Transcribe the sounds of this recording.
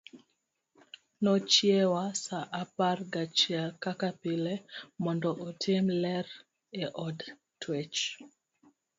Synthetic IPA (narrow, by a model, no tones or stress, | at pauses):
nɔt͡ʃjewasaʔaparɡat͡ʃiakakapɪlemɔndɔʔɔtʰɪmlɛr | ɛʔɔd | twɛt͡ʃ